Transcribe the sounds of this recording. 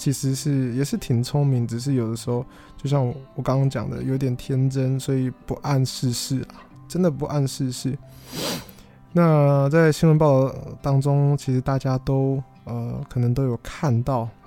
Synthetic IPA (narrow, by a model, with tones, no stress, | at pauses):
t͡ɕʰi˧˥ʂɻ̩˧˥ʂɻ̩˥˩jɛ˨˩ʂɻ̩˥˩t̪ʰi˨˩ŋt͡sʰʊ˥ŋmi˧˥˦ŋʈ͡ʂɻ̩˨˩ʂ̬ɻ̩˥˩jo˨˩ʊd̪ə˦ʂɻ̩˧˥xo˥˧˩ʊ | t͡ɕjo˥˧ʊɕjɑ˥˩ŋwwɔ˨˩kɑ˥ŋɑ˥ŋt͡ɕjɑ̰˨˩ŋd̪ə̰˦jo˧˥ʊt̪jɛ˨˩nt̪ʰjɛ˥nʈ͡ʂə˥nswɔ˧˥i˨˩pu˧˥ʔa˥˧nʂɻ̩˥˧ʂɻ̩˥˩ɐ˨˩ | ʈ͡ʂə˥nd̪ə˨pu˧˥ʔa˥˧nʂɻ̩˥˧ʂɻ̩˥˩ | na˥˧t͡sa˥˩ɪɕi˥nwə˧np̬ɑ˥˧ʊ˥˩t̪ɑ˥ŋʈ͡ʂʊ˥ŋt͡ɕʰi˧˥ʂɻ̩˧˥t̪a˥˩t͡ɕja˥t̪o˥ʊ | ə˩kʰɤ˨˩nɤ˧˥ŋt̪̬o˥ʊjo˨˩ʊkʰa˥˧nt̪ɑ˥˩ʊ